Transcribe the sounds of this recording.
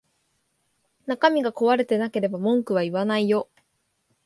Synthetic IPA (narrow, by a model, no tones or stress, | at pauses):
nakamʲiɡako̞βaɾe̞t̪e̞nake̞ɾe̞bamõ̞ŋkɯ̟β̞aiβanaijo̞